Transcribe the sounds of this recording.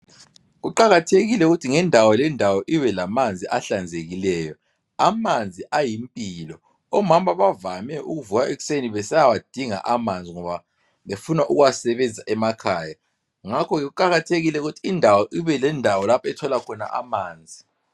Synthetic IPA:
ɣuǃaɣatʰeɣilɛuɣutʰiŋɛndʱawɔlɛndʱawɔʔiwɛlamand͡zʱiʔaɬand͡zʱeɣilɛːjɔ | amand͡zʱiʔajimpʼilɔ | ɔmamaβavamɛʔuɣuvuɣaʔeɣu̥seniβɛsɛjawad̥ʱiŋa̰ʔamand͡zʱiŋɔβa | βefunaʔuɣuwasɛβɛnd͡zʱaʔɛmakʰaːja | ŋakʰɔɣɛɣuǃaɣatʰeɣilɛɣutʰiːndʱawɔʔiβɛlɛndʱawɔlapʰɛtʰɔlakʰɔna̰ʔa̰maːnd͡zʱi

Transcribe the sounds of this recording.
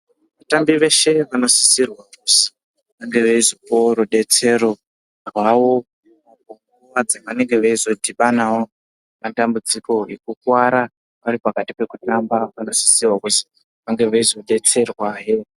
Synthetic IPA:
ʋatambiʋe̞ʃe̞ʋano̞si̥sirwakusi̥ | ʋaŋɡe̞ʋeizopoɾuɗe̞t͡se̞ro̞ | rwaʋo̞ | akoŋuruwad͡zaʋane̞ŋɡe̞ʋaizo̞dʱiɓanawo̞ | mantambud͡ziko̞jekukwaɾa | ʋaɾipakatipe̞kutambaʋano̞si̥sirwakusi̥ | ʋaŋɡe̞ʋeizo̞ɗe̞t͡se̞rwaɦe

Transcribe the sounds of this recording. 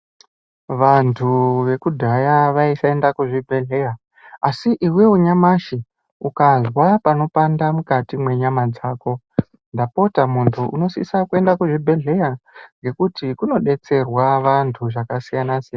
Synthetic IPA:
ʋantʰuʋe̞kudʱajaʋaisae̞ndakuʐibʱe̞ɮe̞ja | asiʔiwe̞uɲamaʃi | ukazwapano̞pandamukatimwe̞ɲamad͡zaːko̞ | ndapo̞tamuntʰuʔṵno̞sḭsakue̞ndakuʐibʱe̞ɮe̞jaŋɡe̞kutikuno̞ɗe̞t͡se̞rwaʋantʰuʐakasijanasijana

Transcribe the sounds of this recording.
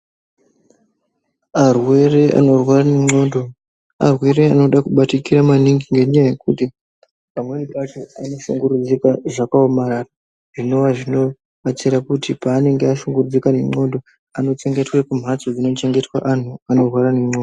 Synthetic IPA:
arwe̞re̞a̰no̞rwarane̞ŋ͡ǀo̞ːndo̞ | a̰rweɾe̞ano̞ɗakuɓatikiɾamaniŋɡiŋɡe̞ɲajaje̞kuti | pamwe̞nipat͡ʃoano̞ʃuŋɡuɾud͡zikaʐakaomaɾaːra | ʐ̥ino̞waʐino̞ | at͡siɾakutipaːne̞ŋɡeaʃuŋɡurud͡zikane̞ŋ͡ǀo̞ndo̞ | ano̞t͡ʃe̞ŋɡe̞twekum̤at͡sod͡zino̞t͡ʃe̞ŋɡe̞twa̰ʔan̤uano̞rwaɾane̞ŋ͡ǀodo

